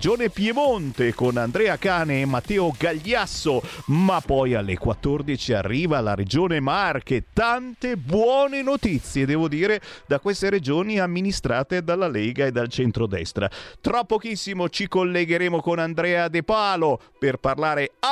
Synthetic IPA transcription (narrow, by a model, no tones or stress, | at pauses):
d͡ʒoːnepjemont̪ekonand̪ɾɛːakaːneːmːat̪ːɛːoɡaʎːasːomapːɔjalːḛkwa̰t̪ːord̪it͡ʃia̰rːiːvala̰ɾed͡ʒoːnemarket̪ant̪ebwɔːnenot̪it̪sːjed̪ɛːvod̪iːɾed̪akwest̪eɾed͡ʒoːniamːinist̪ɾaːt̪ed̪alːalɛːɡaed̪ːalt͡ʃɛnt̪ɾod̪ɛ̰st̪ɾa̰t̪ɾɔpːɔkisːimot͡ʃikolːeɡeɾeːmokonand̪ɾɛːad̪epaːlo | perparlaːɾe